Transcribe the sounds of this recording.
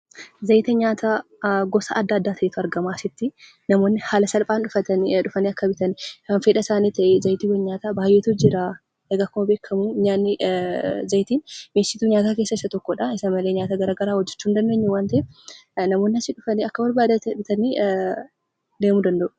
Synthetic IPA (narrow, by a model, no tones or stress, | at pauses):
zɐjt̪ɐɲaːt̪ʰaːɡɔsa̰ɐd̪ːaːd̪ːaːt̪ʰɐʔɛt̪ʊɐɾɡɐmaːsɪt̪ːɪ | nɐmoːnːɪhaːlɐsɐlpʼaːnᶑʊfɐɐᶑʊfɐniːɐkːɐbɪt̪ɐniwɐnfeːᶑɐɪsaːniːt̪ɐʔɛzɐjt̪iwɛɲaːt̪aːbaːjːeːt̪ʊd͡ʒɪɾaː | ʔeɡakːʊmɐbeːkʰːɐmuɲaːnːɪ | zɐjt̪iːnmeːsɪt̪uːɲaːt̪aːkeːsːɐɪsːɐt̪ɔkːɔᶑaɪsɐmɐle̞ːɲaːt̪aɡɐɾaːɡɐɾaːhɔd͡ʒːɛt͡ʃːuːnd̪ɐnd̪eːɲːɛwaːnt̪ɐʔɛnɐmo̞ːnːɪhɐsɪᶑʊfɐniːɐkːɐwɐɾbaːd̪ɐt̪bɪt̪ɐni | d̪eːmud̪ɐnd̪ɐʔʊ̥